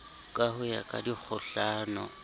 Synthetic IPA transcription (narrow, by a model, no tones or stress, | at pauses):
kʼahʊja̰kʼa̰dik͡xʰʊɬaːnɔ̰